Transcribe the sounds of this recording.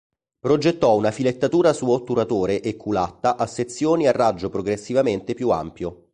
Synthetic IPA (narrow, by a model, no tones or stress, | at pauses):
pɾod͡ʒet̪ːɔunafilet̪ːat̪uːɾasuot̪ːuɾat̪oːɾeʔekʰːulat̪ːaʔasːet̪sːjoːniarːad͡ʒːopɾoɡɾesːivament̪epjua̰mpjo